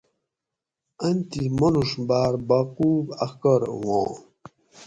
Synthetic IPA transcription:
ɐnt̪imɐnuʂbaːɾbaquːbɐ̰xkəɾwõ̰ː

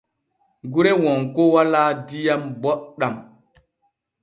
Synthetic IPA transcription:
ɡuɾewɔŋkowaladijambɔɗam

